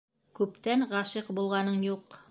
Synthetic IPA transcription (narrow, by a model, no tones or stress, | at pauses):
kʉpt̪ænʁɑʃɤqbulˠʁɑnɤnjuq